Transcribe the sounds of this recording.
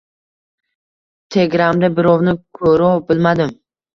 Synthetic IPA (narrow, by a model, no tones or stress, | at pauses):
t̪ʰe̞ɡʲɾamd̪abɪɾɒwnɪkʰɵɾɒwbɪlmad̪ɪm